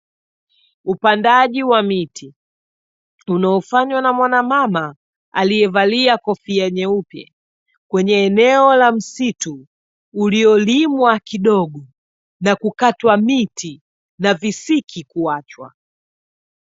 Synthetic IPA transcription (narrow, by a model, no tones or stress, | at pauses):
upandaʄiwamiti | unaɔfaɲwanamwanamama | a̰lijɛvaliakɔfiɛɲɛupja̰ | kwɛɲɛːnɛɔlam̩situː | liɔlimwakiɗɔɠɔ | nakukatwamitʰi | navisikʰikuat͡ʃwa̰